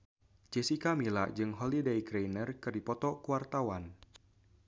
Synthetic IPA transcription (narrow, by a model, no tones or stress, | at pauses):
t͡ʃesikamila̰ʔd͡ʒɨŋɦolidejɡɾejnərkɨrdipɔt̪ɔkuwart̪awan